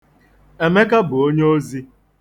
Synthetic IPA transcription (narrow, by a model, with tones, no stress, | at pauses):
e˨me˦ka˦bʊ˨o˦ɲe˦o˦zi˦